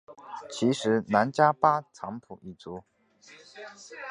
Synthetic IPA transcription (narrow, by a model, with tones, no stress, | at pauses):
t͡ɕʰi˧˥ʂɻ̩˧˥na˧˥nt͡ɕja˥pa˥t͡sʰɑ˧˥ŋpʰṵ˨˩i˥˩t͡su˧˥